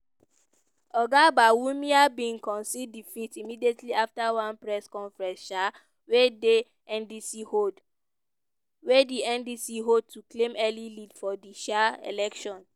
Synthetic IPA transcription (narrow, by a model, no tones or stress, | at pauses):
ɔɡabawumiabĩŋkɔ̃nsiddifitimidietʰliaftawãnpɹɛskɔ̃nfɹɛ̃nsʃa | wede | ɛ̃ndisihod | wediɛ̃ndisiɦod̚tuklẽmɛlilidfɔdiʃaḛlɛkʃɔ̃n